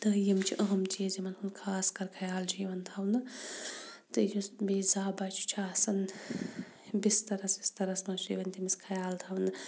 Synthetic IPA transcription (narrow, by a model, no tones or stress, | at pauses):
t̪ɐjimt͡ʃʰiʔɐɦɐmt͡ʃiːzimɐnɦunkʰaːskɐɾkʰɐjaːld͡ʒiːʋɐnt̪ʰɐwnɨ | t̪ɨjusbiːzaːbaːt͡ʃʰu̥t͡ʃʰaːsɐn | bist̪ɐɾɐsist̪ɐɾɐsmɐt͡ʃḭːʋɐnt̪imiskʰɐjaːlt̪ʰɐwnɨ